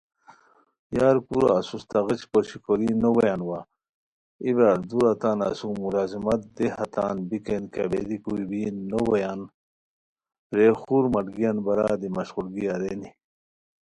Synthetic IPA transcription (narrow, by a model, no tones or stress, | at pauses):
jaːɾkuɾ̰asust̪ɐɣit͡ɕkoɕikoɾinowɐjaːnwa | ibaːɾd̪uɾat̪aːna̰sumulaːzimɐt̪̚d̪ehɐt̪aːnbikenka̰bed̪ikuibinnːowɐjan | pɾexuɾmɐʈɡijɐnbɐɾad̪imɐɕʁuɾɡiaɾeni